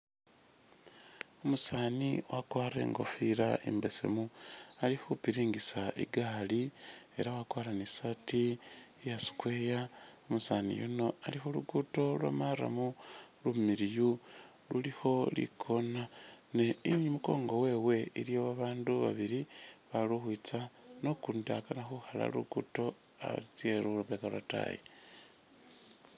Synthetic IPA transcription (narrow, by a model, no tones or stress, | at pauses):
omusaniwakwaːre̞̰ːŋɡo̞̰fiɾa̰ḛmbese̞̰mualixupiɾiːŋɡisaʔḭɡalie̞̰ɾawakwaːɾanisatijasi̥kwe̞jaomusanḭjṵno̞alixuluɡuto̞lwa̰mara̰mulumiɾiju | lulixo̞lḭkʰo̞nane̞iɲimuko̞̰ːŋɡo̞we̞ːwe̞ilijo̞βaβaːnduβa̰βiɾiβaluxwit͡sano̞kundakanaxuxala̰lṵɡuto̞ | a̰βa̰lit͡sie̞luluβekalwa̰ta̰jḛ